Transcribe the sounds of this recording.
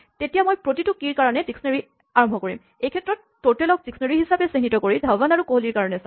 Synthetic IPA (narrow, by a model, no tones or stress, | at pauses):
tetijamojpɹotitukiɹkaɹɔnɛziksneɹi | aɹɔmbʱɔkoɹḭm | ejkʰɛtːɹɔtːoɹtɛlɔk̚ziksneɹiɦisapɛseɦinitɔkoɹidʱawbanaɹukoɦoliɹkaɹɔnɛsa